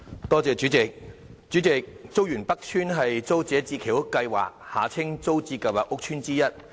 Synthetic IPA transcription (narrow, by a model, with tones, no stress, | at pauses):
t̪ɔː˥t͡sɛː˨˧t͡ʃyː˨˥t͡sɪ˨k̚t͡ʃyː˨˥t͡sɪ˨k̚t͡so˥wjyː˨˩npɐ˥k̚t͡ʃʰyː˥nɦɐ˨jt͡so˥wt͡sɛː˨˧˥t͡siː˧kʰi˨˩wkːɐ˧jwa̰ː˨˩k̚haː˨t͡sʰɪ˥ŋt͡so˥wt͡siː˧kɐ˨˩waː˨kʊ˥k̚t͡ʃʰyː˥nt͡siː˥jɐ˥t̚